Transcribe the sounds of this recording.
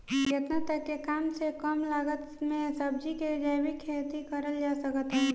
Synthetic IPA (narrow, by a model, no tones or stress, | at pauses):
jət̪nat̪əkːekaːmsekəmlaːɡət̪mẽsəb̚d͡ʒiked͡ʒaːbʱikʰet̪ikəɾəld͡ʒasəkət̪ɦɛ